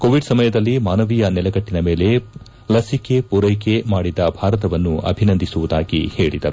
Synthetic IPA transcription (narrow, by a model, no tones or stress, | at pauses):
koːʋiɖsɐmɐjɐd̪ɐlːimaːnɐʋijɐnɛlɐɡɐʈːinɐme̞ːle̞ | lɐsike̞puɾɐjke̞maːɽid̪ɐbʱaːɾɐt̪ɐʋɐnːuɐ̰bʱinɐnd̪ʱisuʋud̪aːɡḭheːɭid̪ɐ